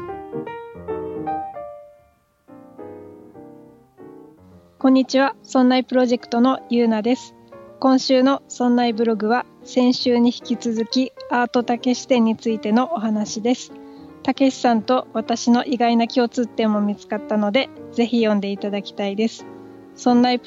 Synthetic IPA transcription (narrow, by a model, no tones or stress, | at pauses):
kõ̞ɲ̟ːit͡ɕiβasõ̞nːaipɯ̟ɾo̞ʑe̞kɯ̥t̪o̞no̞jɯ̟ːnad̪e̞sɨ̥ | kõ̞ɰ̃ɕɨːno̞sõ̞nːaibɯ̟ɾo̞ɡɯ̟βa | sẽ̞ɰ̃ɕɨːɲ̟içi̥kʲit͡sɨzɨkʲiaːt̪o̞t̪ake̞ɕi̥t̪ẽ̞ɲ̟ːit͡sɨit̪e̞no̞ʔoɦanaɕid̪e̞sɨ̥ | t̪ake̞ɕi̥sãnt̪o̞βat̪aɕino̞ʔiɡainakʲio̞t͡sɨt̪ːẽ̞mːo̞mʲit͡sɨ̥kat̪ːano̞d̪e̞d͡ze̞çijõ̞nd̪e̞it̪ad̪akʲi̥t̪aid̪e̞sɨ̥ | sõ̞nːai